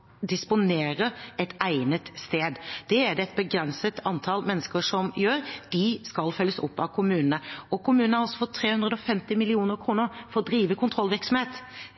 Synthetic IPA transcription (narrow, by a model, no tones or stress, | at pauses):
d̪ɪspʊneːɾəɛt̪æɪnət̪st̪eːd̪d̪̥ɛæɖ̪ɛɛt̪̚bəɡɾɛnsət̪ʰɑnt̪ʰɑlmɛnːəskəɾʂɔmjøːɾd̪̥ɪskɑlfœlːəsʊ̰pːɑʋkʰʊmʉːnənəɔkʰʊmʉnnəhɑɾɔsɔfɔt̪ʰːɾeːhʉnd̪əd̪ɔfɛmt̪ɪmɪlɪuːnəɾkʰɾuːnəɾfɔɾɔd̪ɾiːʋəkʰʊnt̪ʰɾɔlːʋɪɾksɔmheːt̪